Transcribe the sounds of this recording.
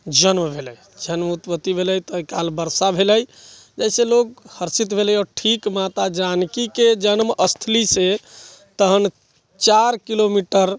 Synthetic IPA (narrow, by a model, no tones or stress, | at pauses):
d͡ʒənmbʱeləj | d͡ʒənmut̪pət̪ːibʱeləjt̪ɔkalbəɾsabʱeləj | d͡ʒəjselok̚həɾsit̪bʱeləjɔːɾʈʰikmat̪ad͡ʒankiked͡ʒənməst̪ʰlise | t̪əɦən | t͡ʃaɾkilomiʈəɾ